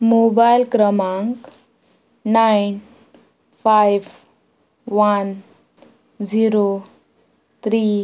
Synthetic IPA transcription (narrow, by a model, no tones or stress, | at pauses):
mobajlkɾəmaŋk | najn | pʰajʋ | ʋan | d͡ziɾo | t̪ʰɾi